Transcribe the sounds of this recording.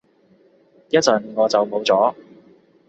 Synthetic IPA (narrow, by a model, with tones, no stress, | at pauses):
jɐ˥t̚t͡sɵ˨˩nŋɔː˨˧t͡sɐ˨wmo˨˧wt͡sɔː˨˥